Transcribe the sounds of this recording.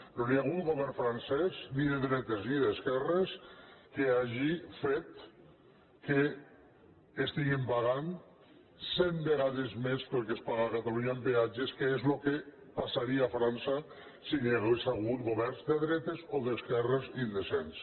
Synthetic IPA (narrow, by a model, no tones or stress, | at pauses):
noniaɣ̞ut̪ɡoβɛɾɱfɾansɛsniðeðɾɛt̪ezniðeskɛreskeaʒifet̪ | ke | st̪iɣimpaɣan | send̪eɣaðezmespelkespaɣaakat̪aluɲaembead͡ʒeskeezloke | pasaɾiaafɾansa | siniaɣesaɣut̪ɡoβɛrnzd̪eðɾɛt̪ezoðeskɛrezind̪esens